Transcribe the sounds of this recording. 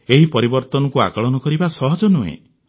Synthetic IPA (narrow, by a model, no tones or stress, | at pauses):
eɦipɔɾibɔɾt̪ɔnɔkua̰kɔɭɔnɔkɔɾibasɔɦɔd͡ʒɔnuḛ̃